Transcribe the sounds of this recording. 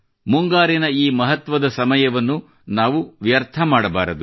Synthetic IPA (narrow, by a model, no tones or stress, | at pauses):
muŋɡaːɾinɐiːmɐɦɐt̪ʋɐd̪ɐsɐmɐjɐʋɐnːu | naːʋuʋjɐɾt̪ʰɐmaːɽɐbaːɾɐd̪u